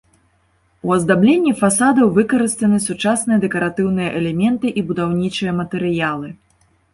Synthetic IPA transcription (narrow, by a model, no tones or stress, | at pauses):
uɐzd̪ablʲenʲːifasad̪ɐwvɨkɐɾɨst̪ɐnɨsut͡ʂasnɨjɐd̪ɛkɐɾat̪ɨwn̪ɨjɐʔɛlʲɛmʲɛnt̪ɨʔibud̪awnʲit͡ʂɨjɐmɐt̪ɛɾɨjalˠɨ